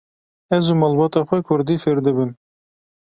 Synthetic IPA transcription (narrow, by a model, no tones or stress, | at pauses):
ɛzumɑːlbɑːt̪ɑːxʷɛkʰʊɾd̪iːfɪɾd̪ɨbɨn